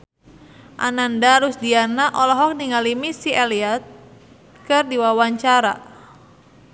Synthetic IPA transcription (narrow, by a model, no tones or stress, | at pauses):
ʔa̰nandaɾusdianaʔɔlɔɦɔk̚niŋalimisiʔaliat̪̚ | kɨrdiwawaɲt͡ʃaɾa̰